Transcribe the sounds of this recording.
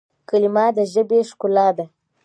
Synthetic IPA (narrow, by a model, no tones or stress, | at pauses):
kalimɑd̪əʒəbeʂkʊlɑd̪a